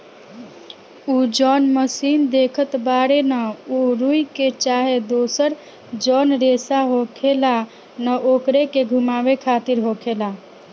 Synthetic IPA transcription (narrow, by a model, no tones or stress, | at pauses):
ud͡ʒɔnməsind̪ekʰət̪baɽenəuɾuiket͡ʃaɦed̪osəɾ | d͡ʒɔnɾesaɦokʰela | nəʔokɾekeɡʱumabekʰat̪iɾɦokʰela